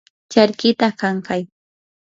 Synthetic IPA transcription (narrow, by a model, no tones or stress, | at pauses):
t͡ʃaɾkɪt̪akaŋkaj